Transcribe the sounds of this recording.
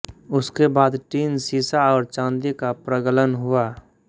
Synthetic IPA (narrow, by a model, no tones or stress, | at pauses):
ʊskebaːd̪ʈiːnsiːsaɔːɾt͡ʃãːnd̪ikapɾəɡələnɦʊaː